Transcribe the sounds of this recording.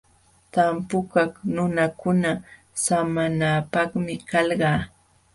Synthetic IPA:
t̪ampʊkaχnʊnakʊna | samanaːpɑχmɪkɑlɢɑː

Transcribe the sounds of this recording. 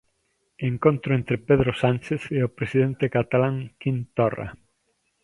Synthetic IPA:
eŋkõnt̪ɾʊẽnt̪ɾepeðɾosant͡ʃeθeʊpɾesiðent̪ekat̪alaŋkint̪ora̰

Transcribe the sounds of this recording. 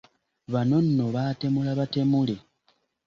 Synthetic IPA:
βano̞nːo̞βaːte̞mulaβate̞mule̞

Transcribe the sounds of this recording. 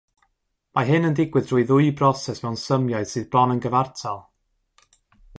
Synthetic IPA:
maɦɨnəndɪɡwɨðd̥rʊɨðʊɨbrɔsɛsmɛwnsəmjɔɨð̥sɨːðblɔnənɡəvartʰalˠ

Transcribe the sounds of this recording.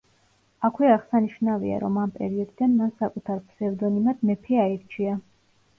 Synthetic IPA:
akʰwiaʁsaniʃnavḭa̰ɾɔmampʼɛ̰ɾiɔd̪id̪anmansakʼut̪ʰaɾpʰsɛvd̪ɔnimad̪̥mɛpʰiaiɾt͡ʃʰia

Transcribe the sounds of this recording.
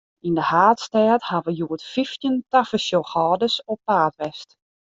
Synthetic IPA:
indəhaːtstɛːthaʋəjuətfiftjəntafəsjoxɔːdəsɔpːaːtʋɛst

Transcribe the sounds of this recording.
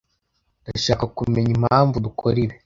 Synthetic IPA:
daʃaːkakume̞ɲim̥haːɱvudukʰoɾiɾe

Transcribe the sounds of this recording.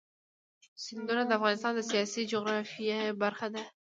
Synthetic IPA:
sɪnd̪unad̪əafɣɑnɪst̪ɑnd̪əsijɑsid͡ʒʊɣɾɑfijabaɾxad̪a

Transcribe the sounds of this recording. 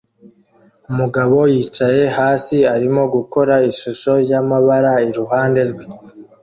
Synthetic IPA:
umuɡaβo̞jiːt͡ʃaje̞haːsiaɾimo̞ɡuko̞ɾaiʃuʃo̞ɾjamaβaɾaiɾuɦaːnde̞ɾɡwi

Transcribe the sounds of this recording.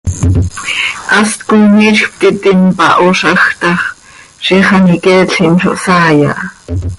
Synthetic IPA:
ʔɑst̪kujniʃxp̚t̪it̪inpɑʔoʃɑxt̪ɑχ | ʃiχɑnikɛːɬinʃo̰ʔsɑːjɑ̰ʔ

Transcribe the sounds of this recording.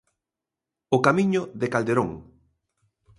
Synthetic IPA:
ʊkamĩɲʊðekald̪eɾoŋ

